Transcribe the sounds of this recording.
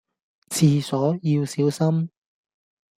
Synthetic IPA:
t͡sʰiː˨˩sɔː˨˥jiː˧wsiː˨˥wsɐ˥m

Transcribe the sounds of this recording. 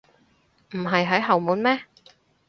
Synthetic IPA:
m̩˨˩ɦɐ˨jɦɐ˨˥jɦɐ˨wmuː˨˥nmɛː˥

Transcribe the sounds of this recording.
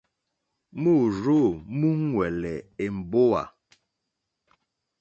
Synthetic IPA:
mu˦˨ɾo˦˨mu˦ŋ˦wɛ˨lɛ˨e˨m̩˨bo˦wa̰˨

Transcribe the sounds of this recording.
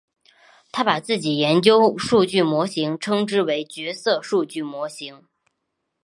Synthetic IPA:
t̪ʰa˥pa˨˩t͡sɹ̩˥˩t͡ɕi˨˩jɛ˧˥nt͡ɕjo˥ʊʂu˥˧t͡ɕy˥˩mwɔ˧˥ɕi˧˥ŋʈ͡ʂʰɤ˥ŋʈ͡ʂɻ̩˥we˧˥ɪt͡ɕɥɛ˧˥sɤ˥˧ʂu˥˧t͡ɕy˥˩mwɔ˧˥ɕi˧˥ŋ

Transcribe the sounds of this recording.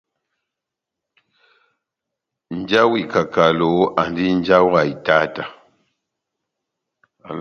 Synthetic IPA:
n̩˨˦d͡ʒa˦wi˨ka˨ka˨lo˨˦a˨n˦di˦n˦d͡ʒa˦wa˨i˨ta˦ta˨

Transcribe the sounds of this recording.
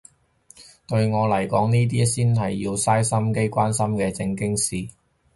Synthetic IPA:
t̪ɵ˧ɥŋɔː˨˧lɐ˨˩jkɔː˨˥ŋniː˥t̪̬iː˥siː˥nɦɐ˨jːiː˧wsaː˥jsɐ˥mke˥jkʷaː˥nsɐ˥mkɛː˧t͡sɪ˧ŋkɪ˥ŋsiː˨˩

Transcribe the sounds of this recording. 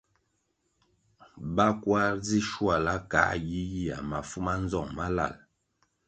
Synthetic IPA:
ba˦kwa˦ɾd͡zi˦ʃwa˨la˦ka̰˨˦ji˦ji˦a̰˨ma˨fu˦ma˦n˦zɔ˦˨ŋma˦la̰˨l

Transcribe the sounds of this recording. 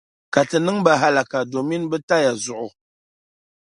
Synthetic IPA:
ka˨tɨ˨nɨ˦ŋba˨ɦa˦la˨ka˨do˨mi˦nbə˦ta˦ja˨zu˨ʔʊ˨

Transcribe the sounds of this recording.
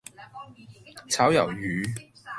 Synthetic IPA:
t͡sʰaː˨˥wjɐ˨˩wjyː˨˥

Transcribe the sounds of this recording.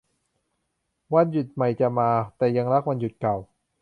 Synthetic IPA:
wa˧nju˨˩t̪̚ma˨˩jt͡ɕa˨˩maː˧t̪ɛː˨˩ja˧ŋɾa˦˥k̚wa˧nju˨˩t̪̚ka˨˩w

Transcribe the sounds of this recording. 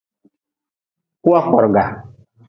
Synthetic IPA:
ku˦a˦kɔ˨ɾɡa˨

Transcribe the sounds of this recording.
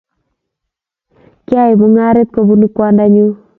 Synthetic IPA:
kja˦i˨mu˨˦ŋa˦ɾe˦t̪̚ko˨bu˦ni˦kwa˦nda˦ɲu˦

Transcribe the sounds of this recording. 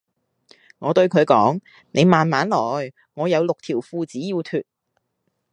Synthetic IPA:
ŋɔː˨˧t̪ɵ˧ɥkʰɵ˨˧ɥkɔː˨˥ŋ | ne˨˧jmaː˨nmaː˨˥nlɔː˨˩j | ŋɔː˨˧jɐ˨˧wlʊ˨k̚t̪ʰiː˨˩wfuː˧t͡siː˨˥jiː˧wt̪ʰyː˨t̚

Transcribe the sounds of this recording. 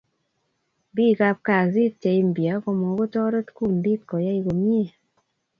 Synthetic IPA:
bi˦˨ka˧p̚ka˨zi˦t̚t͡ʃɛ˨i˦m˨bja˨˦kɔ˧mɔ˨˦ɡo˦tɔ˦ɾɔ˦tku˦ndi˦t̚kɔ˨ja˦i˧ɡo˨mje˦˨

